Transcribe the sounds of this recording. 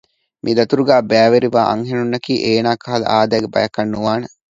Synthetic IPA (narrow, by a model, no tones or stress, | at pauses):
mʔid̪ɐt̪uɾuɡæːbæːʋeɾiʋaːʔɐ̰ŋɦenunːɐkiːʔeːnaːkɐɦɐlɐ̰ʔaːd̪æːɡebɐ̰jɐkːɐnːuʋaːnɐ